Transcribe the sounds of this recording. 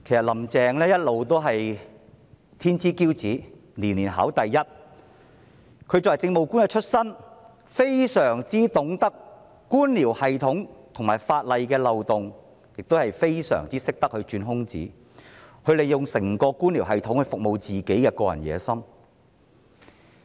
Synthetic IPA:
kʰjsɐ˨t̚lɐ˨˩mt͡sɛː˨ŋlɛː˥jɐ˥t̚lo˨wt̪o˥wɦɐ˨j | t̪ʰiː˥nt͡siː˥kiː˥wt͡siː˨˥ | liː˨˩nliː˨˩nɦa̰˨˥wt̪ɐ˨jːɐ˥t̚ | kʰɵ˨˧ɥt͡sɔː˨˩jt͡sɪ˧ŋmo˨wkuː˥nkɛ˧t͡ʃʰɵ˥t̚sɐ˥n | fe˥jsœː˨˩ŋt͡siː˥t̪ʊ˨˥ŋt̪ɐ˥kː | uː˥nliː˨˩whɐ˨jt̪ʰʊ˨˥ŋt̪ʰʊ˨˩ŋmaː˨˩jfaː˧t̚lɐ˨jkɛː˧lɐ˨wt̪ʊ˨ŋ | jɪ˨k̚t̪o˥whɐ˨jfe˥jsœ̰ː˨˩ŋt͡siː˥sɪ˥k̚t̪ɐ˥k̚hɵ˧ɥt͡ʃyː˧nɦʊ˥ŋt͡sḭː˨˥ | hɵ˧ɥle˨˩jʊ˨ŋsɪ˨˩ŋkɔː˧kuː˥nliː˨˩wɦɐ˨jt̪ʰʊ˨˥ŋhɵ˧ɥfʊ˨k̚mo˨˧wt͡siː˨ke˨˥jkɛː˧kɔː˧jɐ̰˨˩njɛ̰ː˨˧sɐ˥m

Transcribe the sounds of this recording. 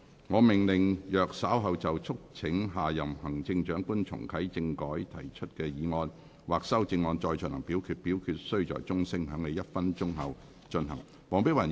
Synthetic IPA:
ŋɔː˨˧mɪ˨ŋlɪ˨˩ŋjœː˨k̚saː˨˥wɦɐ˨wt͡sɐ˨wt͡sʰʊ˥k̚t͡sʰɪ˨˥ŋɦaː˨jɐ˨˩mhɐ˨˩ŋt͡sɪ˧ŋt͡ʃœː˨˥ŋkuː˥nt͡sʰʊ̰˨˩ŋkʰɐ˨˥jt͡sɪ˧ŋkɔː˨˥jt̪ʰɐ̰˨˩jt͡ʃʰɵ˥t̚kɛː˧jiː˨˧ŋɔː˧n | waː˨k̚sɐ˥wt͡sɪ˧ŋːɔː˧nt͡ʃɔː˧jt͡ʃɵ˨nhɐ̰˨˩ŋpiː˨˥wkʰyː˧t̚piː˨˥wkʰyː˧t̚sɵ˥ɥt͡ʃɔ̰ː˨jt͡sʊ˥ŋsɪ˥ŋhœː˨˥ŋne˨jɐ˥t̚fɐ˥nt͡ʃʊ˥ŋɦɐ̰˨w | t͡ʃɵ˧nɦɐ˨˩ŋ | mɔː˨˧ŋpɪ˥wɐ˨˩

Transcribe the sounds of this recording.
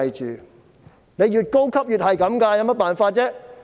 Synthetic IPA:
jt͡ʃyː˨ | ne˨˧jjyː˨t̚ko˥wkʰɐ˥p̚jyː˨t̚ɦɐ˨jkɐ˨˥mkɐː˧ja˨˧wmɐ˥t̚paː˨nfaː˧t̚t͡sɛː˥

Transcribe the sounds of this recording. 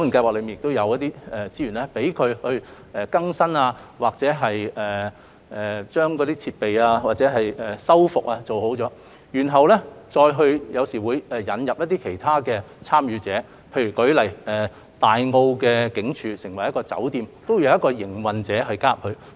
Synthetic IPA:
ɔ˨˥ŋ˨˩nkaː˧jwaː˨k̚lmi˨jɪ˨kt̪wjɐ˨˧wjɐ˥t̚t̪iː˥ɛ˨t͡siː˧˥ɥyː˨˩nɛ˥pe˨˥jkʰɵ˨˧ɥhɵ˧ɥʔɛ˨kɐ˥ŋsɐ˥naː˧waː˨k̚t͡sɛː˨˥ɦɐ˨jʔɛ˨ | ʔɛː˨˩t͡ʃœː˥ŋkɔː˨˥d̪iː˥t͡sʰiː˧t̚pe˨jaː˧waː˨˩t͡sɛː˨˥ɦɐ˨jɛ˨sɐ˥wfʊ˨k̚aː˧t͡so˨who˨˥wt͡sɔː˨˥ | jyː˨˩nɦɐ˨wlɛː˥t͡ʃɔː˧jɦɵ˧ɥjɐ˨˧wsiː˨˩wuː˨˧jɛː˨˩jɐ˨˥njɐ˨p̚jɐ˥t̪iː˥kʰe˨˩jt̪ʰaː˥kɛː˧ | t͡sʰaː˥mjyː˨˧t͡sɛː˨˥ | pʰe˧jɥy˨˩kɵ˨˥ɥlɐ˨˩jɛː˨ | t̪aː˨jŋo˧wkɛː˧kɪ˨˥ŋt͡ʃʰyː˨sɪ˨˩ŋwɐ˨˩jɐ˥kɔː˧t͡sɐ̰˨˥wt̪iː˨˧mt̪o˥wjwjɐ˥t̚kɔː˧jɪ˨˩ŋwɐ˨nt͡sɛː˨˥ɦɵ˧kaː˥ɐ˨p̚hʰɵ˧

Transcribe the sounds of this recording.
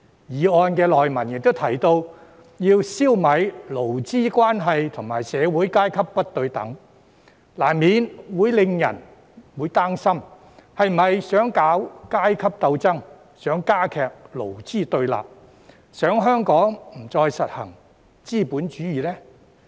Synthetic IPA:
jiː˨˩ɔː˧nkɛː˧lɔː˨jmɐ˨˩njɪ˨k̚t̪o˥wt̪ʰɐ˨˩jt̪o˧w | jiː˧wsiː˥wmɐ˨˧jlo˨˩wt͡siː˥˩kʷwaː˥nɦɐ˨jt̪ʰʊ˨˩ŋmaː˨˩jsɛː˨˧wuː˨˥jkaː˥jkʰɐ˥p̚ːɐ˥t̚t̪ɵ˧ɥt̪ɐ̰˨˥ŋ | laː˨˩nmiː˨˧nwuː˨˥jlɪ˧ŋjɐ̰˨˩n | wuː˨˥jt̪aː˥ŋsɐ˥m | hɐ˨jm̩˨˩ɐ˨jsœː˨˥ŋkaː˨˥wkaː˥jkʰɐ˥p̚t̪ɐ˧wt͡sɐ˥ŋ | sœː˨˥ŋkaː˥kʰɛː˨k̚lo̰˨˩wt͡siː˥˩t̪ɵ˧ɥla̰ː˨p̚ | sœː˨˥ŋɦœː˥ŋkɔː˨˥ŋm̩˨˩t͡sɔː˧jsɐ˨t̚hɐ̰˨˩ŋ | t͡siː˥˩puː˨˥nt͡ʃyː˨˥jiː˨˩lɛː˥

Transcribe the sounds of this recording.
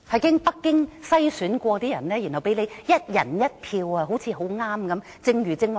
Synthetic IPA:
hɐ˨jkɪ˥ŋpɐ˥kːɪ˥ŋsɐ˥jsyː˨˥nkʷɔː˧t̪iː˥jɐ̰˨˩nlɛː˥jy˨˩nhɐ˨wpe˨˥jle˨˧jjɐ˥t̚jɐ̰˨˩njɐ˥t̚pʰiː˧wɐː˧ɦo˨˥wt͡sʰiː˨˧ɦo˨˥wŋaː˥mkɐ˨˦m | t͡sɪ˧ŋjyː˨˩t͡sɪ˥ŋw

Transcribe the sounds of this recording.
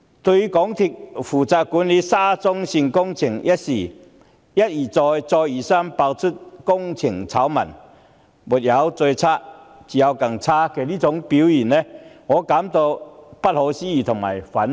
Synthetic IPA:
t̪wi˧kɔ˨˦ŋt̪ʰi˧k̚fu˨˩t͡sa˧ku˨˦nli˨˦saː˦˥t͡sʊ˦ŋɕi˧nkʊ˥ŋt͡ɕʰi˨˩ŋja˦˥t̚si˨˩ | ja˦t̚i˨˩t͡sɔ˧jt͡sɔ˧ji˨˩sa˦˥mpa˧wt͡sʰu˦˥t̚kʊ˥ŋt͡sʰi˨˩ŋt͡sʰa˨˦wma̰˨˩n | bu˨t̚ja˨˦wt͡swe˧jt͡sʰa˦˥t͡ɕi˨ja˧wka˨˩ŋt͡sʰa˥ke˨˩li˥t͡sʊ˨˧˦ŋpi˨˦wi˨˩nnẽ˧˦ŋɔ˨˦ka˨˦mt̪ɔ˧pa˦˥t̚hɔ˨˧˦ɕi˦i˧˩t̪ʰʊ˨˩ŋma˨˩jfa˨˦n

